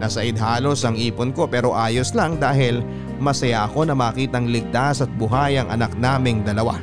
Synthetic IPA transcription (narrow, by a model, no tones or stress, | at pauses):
nɐsɐʔɪd̪haːlo̞sɐŋʔiːpʊnko̞pɛːɾo̞ʔaːjoslaŋd̪aːɦɪl | mɐsɐjaʔɐko̞nɐmɐːkiːt̪ɐŋlɪɡ̚t̪asɐt̪̚bʊɦajɐŋʔɐnɐk̚naːmɪŋd̪ɐlɐwa̰